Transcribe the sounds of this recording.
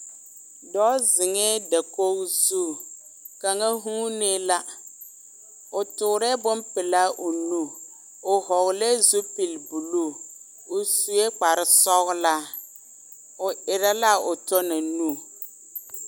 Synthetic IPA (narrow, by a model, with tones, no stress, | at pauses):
dɔː˦zɪ˨ŋɛː˦da˨ko˦zu˦ | ka˨ŋa˦ɦuː˦ne˦la˦ | ʊ˨tʊ˨ɾɛ˦bʊ˦mpɪ˨la˦ʔʊ˨nu˦˨ | ʊ˨hɔ˨ɣle˦zu˦pi˨lbu˨lu˦˨ | ʊ˨su˨e˦k͡pa˨ɾɪ˦sɔ˦ɣla˦ | ʊ˨ɪ˨ɾa˦la˦ʊ˨tɔ˦na˨nu˦˨